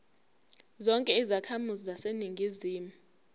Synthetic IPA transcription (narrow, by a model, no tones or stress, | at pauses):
zɔŋkʼɛizakʰamuzizaseniŋɡʱiziːmu